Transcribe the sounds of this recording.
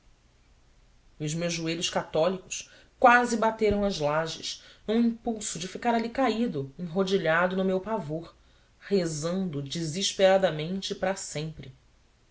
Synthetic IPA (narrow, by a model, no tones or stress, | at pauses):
ʊzmewʒueʎʊʃkat̪ɔlikʊ̥ʃ | kwazibat̪eɾɐ̃w̃ɐzlaʒɪ̰ʃnũĩpuwsʊd͡ʒɪfikaɾalikaid̪ʊẽŋɦod͡ʒiʎad̪ʊnʊmewpavoɾ | hezɐ̃nd̪ʊd͡ʒiziʃpeɾad̪ɐmẽnt͡ʃɪpɾasẽmpɾɪ